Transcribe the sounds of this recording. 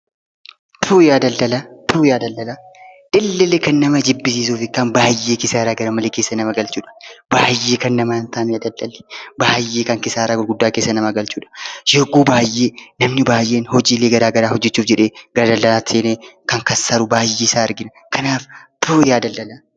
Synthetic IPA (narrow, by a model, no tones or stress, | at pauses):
t̪ʰuːjaːd̪ɐld̪ɐlɐt̪ʰuːjaːd̪ɐlːɐlɐᶑɪlːɪlekɐnːɐmɐd͡ʒɪbːɪs̬iːs̬uːfɪkːaːnbaːjːeːkɪsaːɾaːɡɐɾɐmɐleːkeːsːɐnɐmɐɡɐlt͡ʃuːᶑɐ̥baːjːe̞ːkɐnːɐmɐɐnt̪ʰaːmiɐd̪ɐld̪ɐlɛ̥baːjːeːkɐŋkɪsaːɾaːɡɔlɡʊd̪ːaːkeːsːɐnɐmɐɡɐlt͡ʃuːᶑɐ̥jɛɡuːbaːjːeːnɐmnɪbaːjʔeːnhɔd͡ʒiːleːɡɐɾaːɡɐɾaːhɔd͡ʒːɛt͡ʃːuːfd͡ʒɛᶑeːɡɐɾaːd̪ɐldɐlaːt̪seːneːkɐŋkɐnsɐɾʊbaːjːeːɪsaːɐɾɡɪnɐ | kʰɐnaːft̪ʰuːjaːd̪ɐldɐlɐ